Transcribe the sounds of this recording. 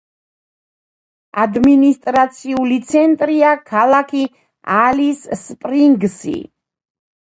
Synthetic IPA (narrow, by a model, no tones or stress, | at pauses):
ad̪minist̪ʼɾat̪sʰiulit̪sʰɛnt̪ʼɾiakʰalˠakʰi | alisːpʼɾiŋɡsḭ